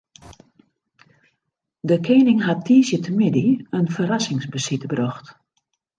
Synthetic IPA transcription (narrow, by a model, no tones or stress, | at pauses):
dəkʰeːnɪŋɦatʰːiːsjətʰəmɪdiənfəɾasɪŋsbəsitbrɔxt